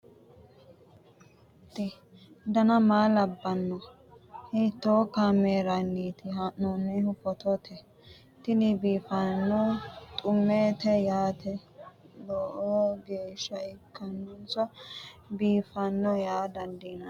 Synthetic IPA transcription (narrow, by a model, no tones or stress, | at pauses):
t̪ːɪ | d̪ɐnɐmaːlɐbːɐnːɔ | hɪt̪ːoːkaːmeːɾɐnːiːt̪ɪɦɐʔːɔnːɛhʊpːɔt̪ɔt̪ʰɛ | t̪ɪnɪbiːfɐnːɔt̪ʼʊmːeːt̪ɛjaːt̪ɛlɔʔoːɡeːʃːɐɪkʰːɐnːɔnsɐbiːfɐnːɔjaːd̪ɐnd̪inɐ